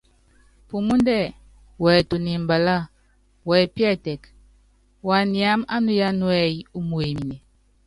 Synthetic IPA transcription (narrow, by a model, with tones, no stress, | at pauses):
pu˨mu˦ndɛ˦˨ | wɛ˨to˨ni˨m̩˨ba˨la˦˨ | wɛ˨pjɛ˦˨tɛ˨k | wa˨ni˨a˨˦ma˦nu˦ja˦nwɛ˨ju˦mu˨e˨mi˨ne˨